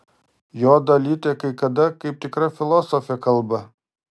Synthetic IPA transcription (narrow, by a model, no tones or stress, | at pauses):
joːd̪ɐlʲiːt̪ʲekɐɪkɐd̪ɐkɐɪp̚t̪ʲɪkɾɐfʲɪlˠɔsofʲɪɛkɐlˠbɐ